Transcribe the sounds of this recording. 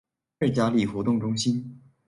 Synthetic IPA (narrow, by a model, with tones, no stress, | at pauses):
ɻ̩˥˩t͡ɕja˥li˥˩xwɔ˧˥t̪ʊ˥˩ŋʈ͡ʂʊ˥ŋɕi˥n